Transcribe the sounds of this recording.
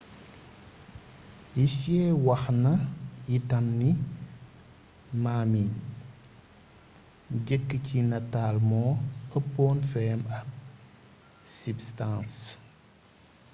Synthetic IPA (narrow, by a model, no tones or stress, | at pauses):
jisjɛːwɐxnɐjitɐmni | maːmin | ɟɛkːəcʰinɐtaːlmɔ̃ːɐpːɔːnfɛːmɐk̚ | sibstãːns